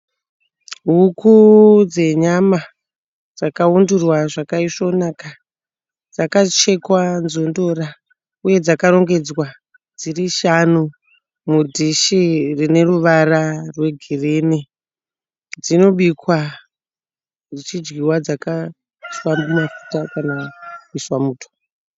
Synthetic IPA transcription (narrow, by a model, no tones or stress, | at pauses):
ɦukud͡ze̞ɲama | d͡zakaundurwaʐakaiʂo̞naka | d͡zakat͡ʃe̞kwanzo̞ndo̞ɾa | uje̞d͡zakaɾo̞ŋɡe̞d͡zwa | d͡ziriʃanu | mudʱiʃirine̞ruʋararwe̞ɡʱireni | d͡zino̞ɓikwa | d͡zit͡ʃid͡ʒɡiwad͡zaka | ʃwambimafu̥takanaiʃwamuːtʰo̥